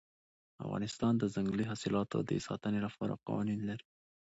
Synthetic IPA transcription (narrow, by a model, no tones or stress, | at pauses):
a̰fɣɑ̰nɪst̪ɑnd̪əzaŋɡliɦɑsɪlɑt̪o̰d̪esɑ̰t̪ənelapɑɾa̰qɑ̰wɑninlaɾi